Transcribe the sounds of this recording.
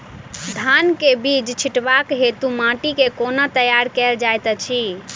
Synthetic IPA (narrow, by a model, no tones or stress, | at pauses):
d̪ʱankebid͡ʒt͡ʃʰiʈbakɦet̪umãʈikekonət̪əjaɾkɛld͡ʒajt̪t͡ʃʰi